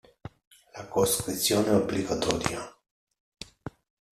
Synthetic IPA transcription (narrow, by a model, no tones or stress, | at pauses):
lakoskɾit̪sjoːnɛobliɡat̪ɔɾja